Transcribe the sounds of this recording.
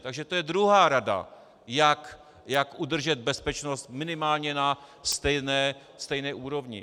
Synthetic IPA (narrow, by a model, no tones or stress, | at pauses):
t̪aɡʒɛt̪ojɛd̪ɾuɦaːɾada̰ | jak | jakʔud̪r̩ʒɛd̪̚bɛspɛt͡ʃnost̪mɪnɪmaːlɲɛnast̪ɛjnɛː | st̪ɛjnɛːʔuːɾo̞vɲɪ̰